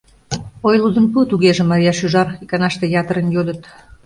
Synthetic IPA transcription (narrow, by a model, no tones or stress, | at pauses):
ojlud̪ənput̪uɣeʒĕmɑɾʲijɑʃyʒɑrikɑnɑʃt̪ĕjɑt̪əɾənjod̪ət̪